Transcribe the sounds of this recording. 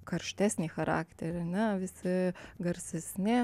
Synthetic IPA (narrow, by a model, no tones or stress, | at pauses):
kɐɾʲʃʲt̪ʲæːsʲnʲiːxɐɾɑ̰ːkt̪ʲɛɾʲɐnʲɛʋʲɪsʲɪɡɐɾʲsʲɛsʲnʲɪ